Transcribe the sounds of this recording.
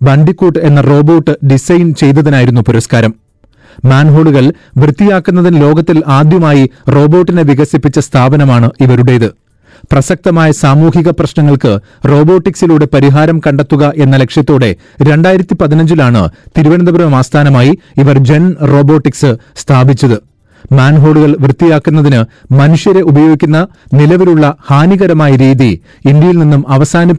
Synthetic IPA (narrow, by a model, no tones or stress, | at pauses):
baɳɖikːuːʈe̞nːɐro̞ːbo̞ːʈːɨɖisɐjnt͡ɕe̞jt̪ːɐðinaːjiɾunːupuɾɐskaːɾɐm | maːnɦo̞ːɭuɣɐɭ | ʋrɨt̪ːijaːkːunːɐðinlo̞ːɡɐt̪ːilaːd̪jɐmaːjiro̞ːbo̞ːʈːineʋiɣɐsipːit͡ɕːɐst̪ʰaːbɐnɐmaːɳɨiʋɐɾuɽe̞jiðɨ | prɐsɐk̚t̪ɐmaːjɐsaːmuːɦiɣɐprɐɕnɐŋːɐɭkɨ | ro̞ːbo̞ːʈːiksiluːɽe̞pɐɾiɦaːɾɐmkɐɳɖɐt̪ːuɣɐʔe̞nːɐle̞kʂjɐt̪ːoːɽe̞ | ɾe̞ɳɖaːjiɾɐt̪ːipɐðinɐɲd͡ʑilaːɳɨ̰t̪iɾuʋɐnɐnd̪ɐbɐɾɐɐmaːst̪ʰaːnɐmaːji | iʋɐrd͡ʑe̞nro̞ːbo̞ːʈːiksɨst̪ʰaːbit͡ɕːɐðɨ | maːnɦo̞ːɽuɣɐɭʋrɨt̪ːijaːkːunːɐðinɨmɐnuʂjɐɾe̞ubɐjo̞ːɡikʲːunːɐnilɐʋiluɭːɐhaːniɣɐɾɐmaːjɐɾiːði | ind̪jɐjilninːumɐʋɐsaːnɐ